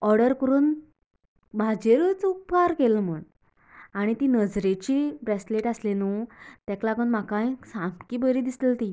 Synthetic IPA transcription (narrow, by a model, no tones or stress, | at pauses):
ɔɾɽəɾkəɾuːn | bʱad͡ʑeɾət͡supkaɾkeləm̤əɳ | aɽ̃it̪iːnəd͡zɾet͡ɕiːbɾesleʈaslenut̪jaklakəɳmakãjsãpkiːbəɾiːd̪isləlt̪i